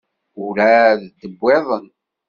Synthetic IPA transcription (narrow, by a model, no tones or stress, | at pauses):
ʊɾæðd̪əbːeðˤən